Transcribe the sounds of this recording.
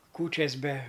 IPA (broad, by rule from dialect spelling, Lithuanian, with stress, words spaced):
ˈkuːt͡ʃʲɛs bʲɛ